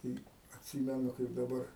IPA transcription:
tɐɪ ɐtʲˈsʲiːmʲɛnʊ kɐɪp dɐˈbɐr

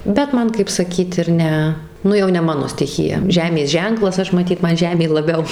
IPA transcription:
bʲɛt ˈmɐn kɐɪp sɐˈkʲiːt ɪr ˈnʲɛ ˈnʊ jɛʊ nʲɛ ˈmɑːnoː sʲtʲɪˈxʲɪjɛ ˈʒʲæːmʲeːs ˈʒʲɛŋklˠɐs ˈɐʃ mɐˈtʲiːt ˈmɐn ˈʒʲæːmʲeː lˠɐˈbʲɛʊ

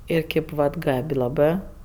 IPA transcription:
ˈɪr ˈkʲeːp ʋɐt ˈɡɐpʲ lˠɐˈbɜ

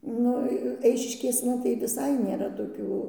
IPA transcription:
ˈnʊ ˈɛɪʃʲɪʃʲkʲeːsnɐ tɐɪ ʋʲɪˈsɐɪ nʲeːˈrɐ toːˈkʲuː

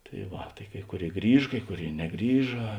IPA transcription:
tɐɪ ˈʋɐ tɐɪ ˈkɐɪ ˈkʊˌrʲeːɪ ˈɡrʲiːʃ ˈkɐɪ ˈkʊˌrʲeːɪ nʲɛˈɡrʲiːʒɐ

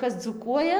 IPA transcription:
ˈkɐs d͡zuːˈkuɔjɛ

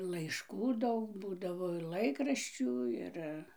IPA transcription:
lˠɐɪʃˈkuː ˈdɐʊk ˈbuːdɐʋoː ɪr ˈlˠɐɪkrɐʃʲt͡ʃʲuː ˈɪr

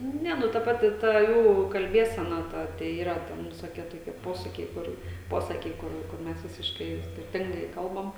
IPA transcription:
ˈnʲɛ ˈnʊ tɐ ˈpɑːtʲɪ ˈtɐ ˈjuː kɐlʲˈbʲiɛsʲɛnɐ ˈtɐ tɐɪ ˈiːrɐ ˈtʲɛn ʋʲɪsoːˈkʲiɛ toːˈkʲiɛ ˈpoːsɐkʲɛɪ ˈkʊr ˈpoːsɐkʲɛɪ ˈkʊr kʊr ˈmʲɛs ʋʲɪsʲɪʃˈkɐɪ jɛʊ sʲkʲɪrʲˈtʲɪŋɡɐɪ ˈkɐlˠbɐm

